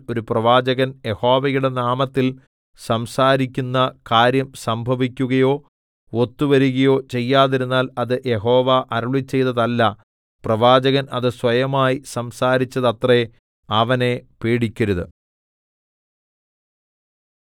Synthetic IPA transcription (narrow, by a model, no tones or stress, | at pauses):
o̞ɾuprɐʋaːd͡ʑɐɣɐnje̞ho̞ːʋɐjuɽe̞naːmɐt̪ːil | sɐmsaːɾikʲːunːɐkaːɾjɐmsɐmbʱɐʋikʲːuɣɐjo̞ː | ot̪ːuʋɐɾuɣɐjo̞ːt͡ɕe̞jːaːðiɾunːaːlɐðɨʔje̞ɦo̞ːʋaʔɐɾuɭit͡ɕːe̞jt̪ɐðɐlːɐ | prɐʋaːd͡ʑɐɣɐnʔɐðɨsʋɐjɐmaːjisɐmsaːɾit͡ɕːɐðɐt̪re | ɐʋɐne̞peːɽikʲːɐɾuðɨ